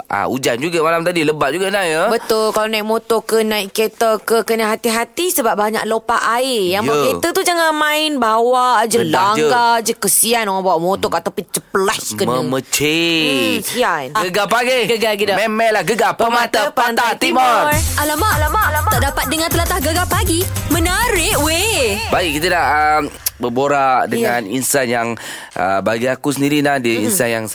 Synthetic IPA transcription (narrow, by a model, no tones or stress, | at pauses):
a̰ṵd͡ʒand͡ʒuɡamalamt̪adiləbat̪̚d͡ʒuɡanajəbət̪ʊlkalanaiʔmot̪ɔkənãiʔket̪əkəkənəɦat̪iɦat̪isəbap̚baɲa̰ʔlopaʔaɪjaŋjaket̪ət̪ud͡ʒaŋanmãɪnbawaʔd͡ʒəlad͡ʒŋəkad͡ʒəkəsianoŋabawaʔmot̪ɔkat̪apit͡ʃəpəlaskəməəmət͡ʃeəsianɡəɡapaɡiɡəɡaɡidamemɛlahɡəɡapəmat̪apnat̪imɔalamalaat̪aʔdapat̪̚dəŋãnt̪əlat̪ahɡəɡapaɡimənəɾɪʔwebaɡikit̪ədaʔəmbəboɾaʔdəŋaninsanjaŋ | ʔə̰baɡiakusəndiɾinadiəinsanjaŋ